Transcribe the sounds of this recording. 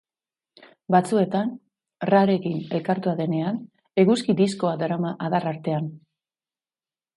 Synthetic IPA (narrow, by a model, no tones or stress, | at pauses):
bat͡sue̞t̪an | raɾe̞kine̞lkaɾt̪uaðe̞ne̞an | e̞ɣuskid̪isko̞ad̪aɾamaʔaðaraɾt̪e̞an